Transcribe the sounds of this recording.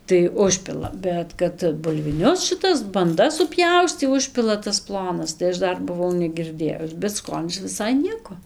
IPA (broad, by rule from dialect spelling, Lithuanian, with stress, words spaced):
tɐɪ ˈʊʃʲpʲɪlˠɐ ˈbʲɛt kɐt bʊlʲʋʲɪˈnʲʊs ʃʲɪˈtɐs bɐnˈdɐs sʊˈpʲjɛʊsʲtʲiː ˈʊʃʲpʲɪlˠɐ tɐs ˈplˠoːnɐs tɐɪ ˈɐʃ ˈdɐr bʊˈʋɐʊ nʲɛɡʲɪrʲˈdʲeːjʊs bʲɛt ˈskoːnʲɪs ʋʲɪˈsɐɪ ˈnʲiɛkoː